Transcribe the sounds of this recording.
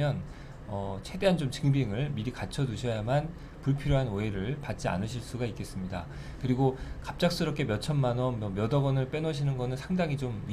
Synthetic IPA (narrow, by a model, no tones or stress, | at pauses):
jʌn | ʌt͡ɕʰe̞de̞ɦant͡ɕomt͡ɕɯŋbiŋɯɭmiɾikat͡ɕʰʌduɕʰʌjaman | puɭpʰiɾjoɦanoeɾɯɭpat̚t͡ɕ͈ia̰nɯɕʰiɭs͈uɡaik͈e̞s͈ɯmɲida | kɯɾiɡokap̚t͡ɕ͈ak̚s͈ɯɾʌp̚k͈emjʌt͡ɕʰʌnmanʌnmʌmjʌdʌɡʌnɯɭp͈e̞nʌɕʰinɯnɡʌnɯɭsʰaŋdaŋit͡ɕomɥi